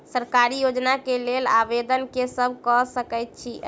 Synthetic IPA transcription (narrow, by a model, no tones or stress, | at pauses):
səɾkaɾijod͡ʒnakelelaʋed̪ənkesəbʱkɔsəkɛjt̪̚t͡ʃʰi